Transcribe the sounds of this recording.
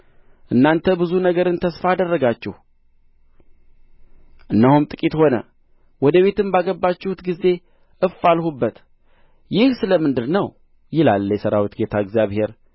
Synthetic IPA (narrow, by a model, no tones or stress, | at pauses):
ʔɨnːant̪ʰəbɨzunəɡəɾɨnt̪ʰəsfaːd̪ərːəɡat͡ʃːɪhu | ʔɨnːahumt̪ʼɨkʼit̪ho̞nə̰ | wɔd̪əβe̞t̪ɨmbaɡəbːat͡ʃːɪhut̪ɡize̞ | ʔɨfalhubːət̪ | jɪhsɨləmɨnd̪ɨɾnəw | jɪlalːjɛsəɾawit̪ɡe̞t̪ʰaɨɡzjaβhe̞ɾ